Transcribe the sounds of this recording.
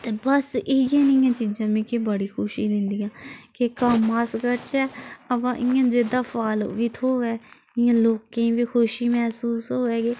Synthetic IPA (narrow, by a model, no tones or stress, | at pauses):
t̪eːbəsɪɪjãːnɪjãːt͡ʃiːd͡ʒãːmĩːkeːbəɽiːkʰʊʃiːd̪ɪ̃nd̪ijãːkɪkəmːaːskəɾt͡ʃɛːəpãːʔɪjãːd͡ʒed̪aːpʰaːlʋiːt̪ʰoːɛː | ɪjãːloːkːẽːʋiːkʰoʃiːmɛːsuːsɦoːɛːɡeː